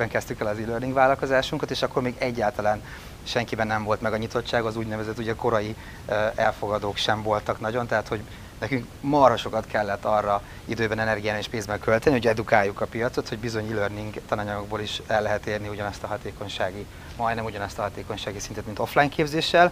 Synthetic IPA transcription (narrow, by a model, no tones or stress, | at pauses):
bɛŋkɛst̪ykɛlɒzilørniŋɡvaːlɒlko̞zaːʃuŋkɒt̪eːʃɒkːo̞rmeːɡɛɟːaːlt̪ɒlaːn | ʃɛŋkibɛnːɛɱvo̞lt̪mɛɡɒɲit̪o̞t͡ʃːaːɡɒzuːɟnɛvɛzɛt̪ːuɟɛko̞ɾɒji | ɛlfo̞ɡɒd̪oːkʃɛɱvo̞lt̪ɒknɒɟo̞nt̪ɛɦaːt̪ho̞ɟ | nɛkyŋk | mɒrhoʃo̞kɒt̪kʰɛlːɛt̪ːɒrːɒ | id̪øːbɛnɛnɛrɡijaːneːʃpeːnzbɛŋkø̞lt̪ɛnihoɟɛd̪ukaːjːukɒpijɒt̪so̞t̪ho̞ɟbizo̞ɲilørniŋɡt̪ɒnɒɲɒɡoɡ̚boːliʃɛlːɛɦɛt̪eːrniuɟɒnɒst̪ɒɦɒt̪eːko̞ɲʃaːɡi | mɒjnɛmuɟɒnɒst̪ɒɦɒt̪eːko̞ɲʃaːɡisint̪ɛt̪mint̪o̞flajŋkeːbzeːʃːɛl